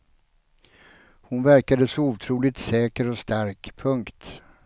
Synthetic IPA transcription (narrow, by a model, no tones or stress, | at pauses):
hʊnvæɾkad̪əsɔuːt̪ʰɾuːlɪt̪sɛːkəɾɔst̪aɾkpʰɵŋkt̪